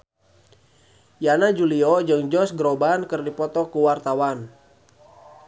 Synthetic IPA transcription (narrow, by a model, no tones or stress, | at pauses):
janad͡ʒuliɔd͡ʒɨŋd͡ʒɔsɡɾobankɨrdipɔt̪ɔkuwart̪awan